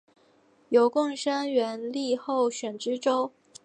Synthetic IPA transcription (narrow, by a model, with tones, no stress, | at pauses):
jo˧˥ʊkʊ˥˧ŋʂa˥nɥɛ˧˥nli˥˧xo˥˩ʊɕɥɛ˨˩nʈ͡ʂɻ̩˥ʈ͡ʂo˥ʊ